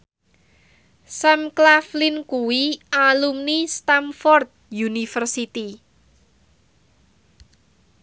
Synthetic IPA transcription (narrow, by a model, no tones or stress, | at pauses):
samklaflinkuwiʔalumnist̪amfɔrt̪̚junifərsit̪i